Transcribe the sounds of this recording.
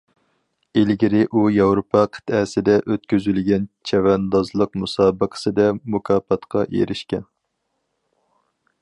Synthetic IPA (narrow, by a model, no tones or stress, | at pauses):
elɡʲiɾɪʔujɑwɾopʰɑqʰə̥t̪ɛsɪd̪ɛʔøt̪̚kʲyzylɡʲɛnt͡ʃʰɛwɛnd̪ɑzlˠəqmusɑːbəqʰə̥sɨd̪ɛmukʰɑːpɑt̪qʰɑʔḛɾɪʃkʲɛn